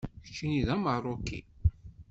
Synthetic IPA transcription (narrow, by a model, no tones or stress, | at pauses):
çə̥t͡ʃːiniðæməʁrˤokːḭ